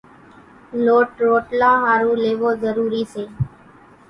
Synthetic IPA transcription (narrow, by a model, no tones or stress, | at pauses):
loːʈɾoːʈlãːɦaːɾũːleːʋoːzəɾuːɾiːseː